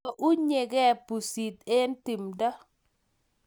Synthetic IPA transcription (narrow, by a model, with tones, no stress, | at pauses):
ɔ˨ʔu˦ɲe˨ɡɛ˦˨pu˨si˨t̪e˦nti˨mdɔ˦